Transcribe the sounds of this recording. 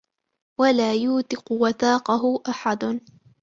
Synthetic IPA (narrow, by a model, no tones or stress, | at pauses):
walaːjuːt̪ɪqʊwaθaːqɑɦʊʔaħad̪